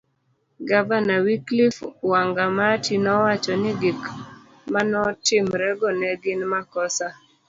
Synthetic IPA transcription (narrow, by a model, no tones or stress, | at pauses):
ɡavanawiklifwaŋɡamatʰinɔwat͡ʃɔnɪɡik | manɔtɪmɾɛɡɔnɛɡɪnmakɔsa